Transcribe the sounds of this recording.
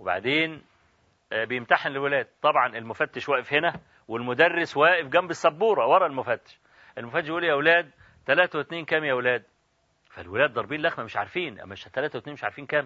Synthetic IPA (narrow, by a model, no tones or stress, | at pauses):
weba̰ʕd̪eːn | bejemt̪aħænlelwelæːd̪̚t̪ˤːɑbʕɑnelmʊfæt̪ːeʃwæːʔefhenæ | welmʊd̪ærːeswæːʔɪfɡæmbesːæbːuːɾˤɑwɑɾˤɑlmʊfæt̪ːe̥ʃ | ʔelmofæt̪ːʃjʔuljæwelæːd̪̚ | t̪ːælæːt̪æwet̪neːnkæːmjæwelæːd̪̚ | fælwelæːd̪̚ːˤɑɾˤbiːnlæxmæmeʃʕa̰ɾˤfiːnʔæ̰mːæeʃæt̪ælæːt̪æwet̪neːnmeʃʕa̰ɾfiːnkæːm